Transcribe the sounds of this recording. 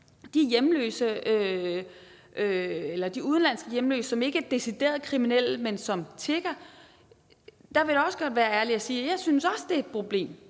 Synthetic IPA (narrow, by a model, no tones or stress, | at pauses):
d̥ijemlø̰ːsəø | ʔøelɐd̥iuðˠən̩lænsɡ̥əjemlø̰ːsəsɒ̽me̝ɡ̥əæɐd̥e̝sid̥e̝̰ːɐð̞ˠkʰʁiminel̰mensɒ̽mt͡sʰe̝ɡ̥ɐ | d̥ɑ̈ʋe̝ɾaɒ̽səɡ̥ɒ̽d̥ʋæːɐæɐliæsiːjɑ̈ɪsynsɒ̽sd̥e̝ɐed̥̚pʰʁo̝b̥le̝̰ːm